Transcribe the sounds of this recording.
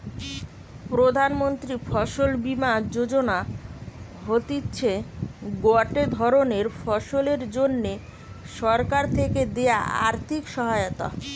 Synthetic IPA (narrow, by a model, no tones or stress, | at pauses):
pɾod̪ʱanmont̪ɾifʰɔʃolbimad͡ʑod͡ʑona | ɦot̪itːɕʰeɡoaʈed̪ʱɔɾoneɾfʰɔʃoleɾd͡ʑonːe | ʃɔɾkaɾt̪ʰeked̪eaa̰ɾt̪ʰikʃɔɦaeot̪a̰